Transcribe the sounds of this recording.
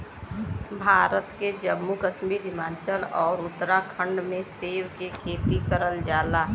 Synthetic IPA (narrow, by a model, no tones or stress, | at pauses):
bʱaːɾət̪ked͡ʒəmːukəʃmiːɾɦɪmaːt͡ʃəlɔːɾʊt̪ːɾakʰə̃ɳɖmẽseːwkekʰeːt̪ikəɾəld͡ʒaːlaː